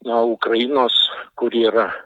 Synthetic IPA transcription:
noukrɐjɪnoːskʊɾiːɾɐ

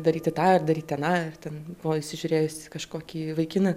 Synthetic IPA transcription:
d̪ɐɾʲiːt̪ʲɪt̪ɑːɪrd̪ɐɾʲiːtʲɐnɑːɪrt̪ʲɛnbbʊʋoɪʃʲsʲɪʒʲʊɾʲeːjʊsʲɪkɐʃkoːkʲiːʋɐɪkʲɪnɐ

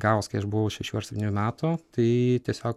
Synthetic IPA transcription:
ɡɑːʋoːskɐɪɐʃbʊʋɐʊʃʲɛʃʲuːɐɾsʲɛp̪̚ʲɪnuːmʲæːt̪ʊt̪ɐɪt̪ʲiɛsʲoːk

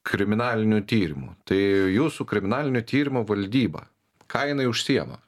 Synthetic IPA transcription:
kʰɾʲɪmʲɪnɑːlʲɪnʲʊt̪ʲiːɾʲɪmṵːt̪ɐɪjuːsukɾʲɪmʲɪnɑːlʲɪnʲʊt̪ʲiːɾʲɪmoʋɐlʲd̪ʲiːbɐ̰ | kɐːɪɪnɐɪʊʃʲsʲijɛmɐ̰

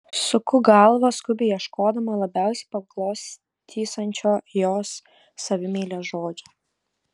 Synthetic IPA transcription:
sʊkʊɡɐlˠʋɐskʊbʲɪjɛʃkoːd̪ɐmɐlˠɐbʲæˑʊsʲɛɪpɐklˠoːsʲ | t̪ʲʰiːsɐnʲt͡ʃʲoːjoːsː | ɐʋʲɪmʲiːlʲoʒoːd͡ʒʲo

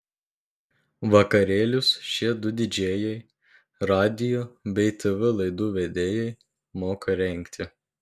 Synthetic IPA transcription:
ʋɐkɐɾʲeːlʲʊsʃʲiɛd̪ʊd̪ʲɪd͡ʒʲeɛːjɛɪ | ɾɑːd̪ʲɪjoːbʲɛɪt̪ɛʋɛlˠɐɪd̪uːʋʲɛd̪ʲeːjɛɪ | moːkʰɐɾʲɛŋʲkʲt̪ʲɪ

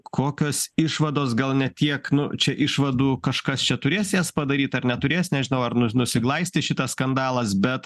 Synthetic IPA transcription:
kʰoːkʲoːsɪʃʋɐd̪oːsɡɐlˠnʲɛt̪ʲiɛknʊt͡ʃʲɛʔɪʃʋɐd̪uːkɐʃkɐst͡ʃʲɛt̪ʊɾʲeːsʲjɛspɐd̪ɐɾʲiːt̪ɐɾnʲɛt̪ʊɾʲeːsnʲɛʒʲɪnɐʊɐrnʊnʊsʲɪɡlˠɐɪsʲt̪ʲɪʃʲɪt̪ɐsskɐnd̪ɑːlˠɐsbʲɛt̪

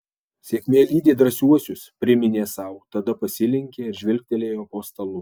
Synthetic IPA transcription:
sʲeɛkʲmʲeːiːd̪ʲeːd̪ɾɐsʲuɔsʲʊspʲɾʲɪmʲɪnʲeːsɐʊt̪ɐd̪ɐpɐsʲɪlʲɪŋʲkʲeːɪɾʒʲʋʲɪlʲk̚ʲt̪ʲelʲeːjoːpoːst̪ɐlˠʊ

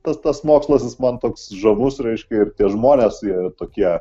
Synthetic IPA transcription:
t̪ɐst̪ɐsmoːkslˠɐsʲɪsmɐnt̪oːksʒɐmʊsɾʲɛɪʃʲkʲɛɪrt̪ʲiɛʒmoːnʲeːsit̪oːkʲiɛ

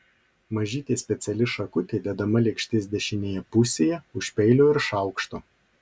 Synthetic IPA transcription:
mɐʒʲiːt̪ʲeːsʲpʲɛt̪sʲɛlʲɪʃɐkʊt̪ʲeːd̪ʲɛd̪ɐmɐlʲɛkʃʲt̪ʲɪsd̪ʲɛʃʲɪnʲeːjɛpʊsʲeːjɛʊʃʲpʲɛɪlʲoːɪɾʃɑˑʊkʃt̪oː

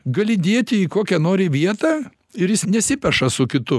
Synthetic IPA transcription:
ɡɐlʲɪd̪ʲeɛt̪ʲɪikoːkʲɛnoːɾʲɪʋʲiɛt̪ɑː | ɪɾjɪsnʲɛsʲɪpʲɛʃɐsʊkʲɪt̪ʊ

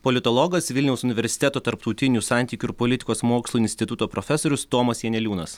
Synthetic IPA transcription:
pɔlʲɪt̪oːlˠɔɡɐsʋʲɪlʲnʲɛʊsʊnʲɪʋʲɛɾʲsʲɪ̥t̪ʲæt̪oːt̪ɐɾpt̪uʊt̪ʲɪnʲusɑnʲt̪ʲiːkʲuɪɾpolʲɪt̪ʲɪ̥koːsmoːkslˠuɪnʲsʲt̪ʲɪt̪ʊt̪oːpɾofʲɛsoːɾʲʊst̪oːmɐsjɛnʲɛlʲuːnɐs

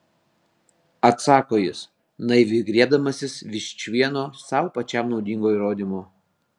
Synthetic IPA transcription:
ɐt̪sɑːkoːjɪs | nɐɪʋʲɪɡɾʲiɛd̪ɐmɐsʲɪsʋʲɪʃʲt͡ʃʲʋʲiɛnoːsɑʊpɐt͡ʃʲɛˑmnɒʊd̪ʲiŋɡoːiːˑɾoːd̪ʲimoː

